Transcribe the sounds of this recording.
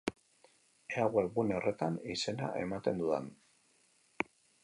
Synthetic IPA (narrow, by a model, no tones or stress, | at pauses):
eaɣweɣuneo̞re̞t̪anise̞na̰ʔe̞mat̪e̞nd̪uðan